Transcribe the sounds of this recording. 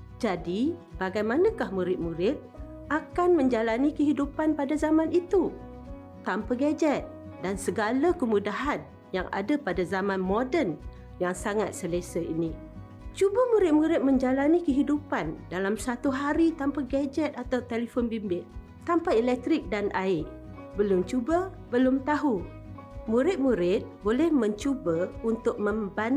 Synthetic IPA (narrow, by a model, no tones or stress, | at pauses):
d͡ʒadibaɡajmãnãkahmuɾɪt̪̚muɾɪt̪̚ | ʔakanmə̃ɲd͡ʒalanikəɦidupanpadazamãnit̪u | t̪ampaɡad͡ʒɛt̪̚ | dansəɡalakəmudaɦan | ja̰ŋa̰dapadazamãnmodən | jaŋsaŋat̪̚səlesəinĩ | t͡ʃubəmuɾɪt̪̚muɾɪt̪̚mə̃ɲd͡ʒalanikəɦidupandalamsat̪uɦaɾit̪ampaɡad͡ʒɛt̪̚at̪awt̪eləfonbimbɪʔ | t̪ampaelɛk̚t̪ɾɪk̚danʔaɪ | bəlʊmt͡ʃubə | bəlʊmt̪aɦu | mũɾɪt̪̚muɾɪt̪̚bolɛhmə̃ɲt͡ʃubəunt̪ʊk̚mə̃mban